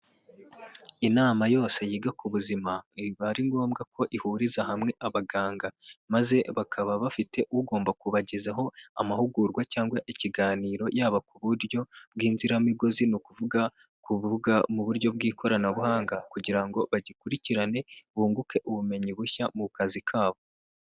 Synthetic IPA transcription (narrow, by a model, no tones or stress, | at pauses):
inaːmajo̞ːse̞jiːɡakuβuzimaβaɾiŋɡo̞ːmɡakʰo̞ʔihuɾizahamŋe̞ʔaβaɡaːŋɡamaze̞βakʰaβaβafite̞ʔuɡo̞ːmbakuβaɟezaɦo̞a̰mahuɡuɾɡwacaːŋɡwaʔiciɡaːniːɾo̞jaːβakuβuɾjo̞b̚ɡiːnziɾamiɡo̞zinukuvuɡa | kuβuɡamuβuɾɟo̞bɡiːkʰo̞ɾanaβuhaːŋɡakuɟiɾaŋɡo̞βaɟikuɾiciɾane̞βuːŋɡuke̞ʔuβume̞ɲiβuçamukazikʰaːβo̞